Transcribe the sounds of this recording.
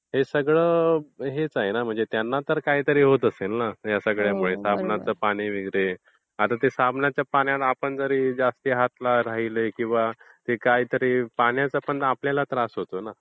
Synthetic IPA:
ɦesəɡɭəːɦet͡saɦenam̤əɳd͡zet̪janːat̪əɾkaɦiːt̪əɾiɦot̪əselnajasəɡɭjapəɳesabnat͡səːpaɽ̃iʋiɡɾe | at̪at̪esabnat͡ɕjapaɳjat̪apəɳd͡zəɾiːd͡zast̪iːɦat̪laɾaɦilekĩw̃ʋa | t̪ekaɦiːt̪əɾiːpaɳjat͡sapəɳapljalat̪ɾasɦot̪ona

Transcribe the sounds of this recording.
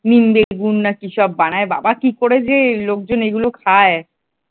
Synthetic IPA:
nimbeɡunːakiʃɔbːañaeba̰bakikoɾed͡ʑelok̚d͡ʑoneɡulokʰae

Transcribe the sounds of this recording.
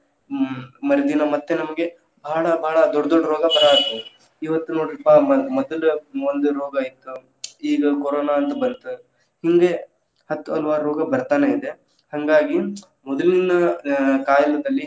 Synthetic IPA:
mɐɾed̪inɐmɐt̪ːe̞nɐmɐɡe̞ | bʱaːɭɐbʱaːɭɐd̪ɔɖːɐd̪ɔɖːɐɾɔːɡɐbɐɾaːɾd̪u | iʋɐt̪ːunoːɽɾpaɐmɔd̪ɐluond̪uɾoːɡɐːjit̪ːu | iːɡɐkɔɾoːnaɐnt̪ɐbɐnt̪u | hiŋɡe̞ | hɐt̪ːuɐ̰lʋaːɾɾoːɡɐbɐɾt̪aːneid̪e̞ | hɐŋɡaːɡi | mɔd̪ɐlinɐkaːjɐlɐd̪ɐlːi

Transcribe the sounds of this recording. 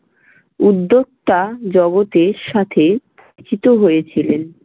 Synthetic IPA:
ud̪ːok̚t̪ad͡ʑɔɡot̪eɾʃat̪ʰeb | t͡ɕit̪oɦojet͡ɕʰilen

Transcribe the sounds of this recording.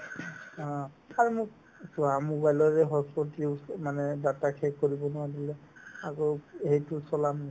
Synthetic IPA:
ɔ̃ | aɹumʊk̚ | suamuɡajlɔɹɛɦɔspɔtiʊmanɛdatakʰekkoɹibɔnʊwadilɛakɔhejtʊsɔlami

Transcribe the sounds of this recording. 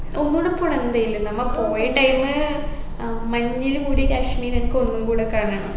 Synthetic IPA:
onːuɽɐpuɳɐnːd̪ɐjilːɐnɐmːɐɭpo̞ːjɐʈːɐjmɨ | mɐɲːilumuːɽikaːʂmiːɾɐnkːɨonːumbuːɽokːaːɳaːɳɨ

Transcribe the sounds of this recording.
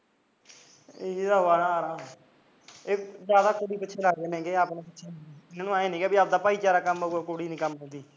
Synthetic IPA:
eid̪aːoaːnãːaɾãː | eːd͡ʒjaːd̪aːkoːɽiːpɪtːʃʰeːlaɡenẽːɡeːapneːpɪtːʃʰeːnaːnũaːeːnĩːɡeːbiːaːpd̪aːpaːiːt͡ʃaːɾaːkəmoɡakoːɽiːnĩːkəmɛːd̪iː

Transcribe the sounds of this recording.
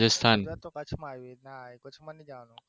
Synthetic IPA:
ɪst̪ʰaːnt̪okət͡ʃʰmaːjenakʊt͡ʃʰmanid͡ʒãːnũ

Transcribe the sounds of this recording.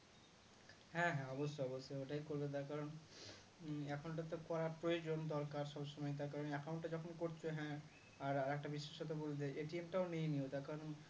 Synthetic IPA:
hɛ̃ɦɛ̃ɔbosːoɔbosːooʈajkoɾlet̪̬aɾkaɾon | ɛkʰonʈ̬at̪okɔɾaɾpɾojod͡ʑond̪ɔɾkaɾʃɔbʃɔmɔjt̪̬aɾkaɾonɛkʰamonʈad͡ʑɔkʰonkoɾt͡ɕʰoɦɛ̃ | aɾaɾɛk̚ʈabiʃːeʃot̪obold̪eʔeʈiemʈaonejniot̪aɾkaɾon

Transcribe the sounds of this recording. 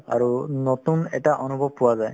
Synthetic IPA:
a̰ɹunɔtunɛ̰taʔɔnubʱɔb̚pʊwazaj

